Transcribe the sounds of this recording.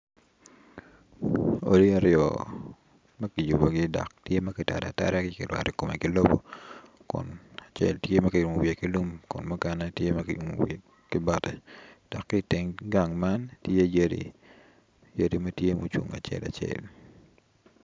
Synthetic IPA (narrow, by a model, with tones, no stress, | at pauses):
o˦di˦a˨ɾjɔ̰ | mɐ˦ki˨ju˨bo˨ɡɪ˦dɔ̰˨ktje˦mɐ˦kɪ˨ta̰˨da̰˨ta̰˦ɾɛ˦kɪkɪ̰˨lwa̰˨ɾɛ˦ko˨me˨kɪ˦lo˦bo˦ | kʊ̰˨na˨t͡ʃḛ˦ltje˦mɐ˦ki˨ɾu˨mo˨wje˨ki˦lu˦mkʊ̰˨nmʊ˦ka˦na˦tje˦mɐ˦kiṵ˨mṵ˨we˨ | kɪ˦bɔ˦tɛ˨d̥ɔ˨kːɪ˦tɪ˦ŋɡa˨ŋma˦ntje˦jedḭ | je˦di˦mɐ˦tje˦mṵ˨t͡ʃṵ˨ŋa̰˨t͡ʃɛ̰˦la̰t͡ʃḛ˨l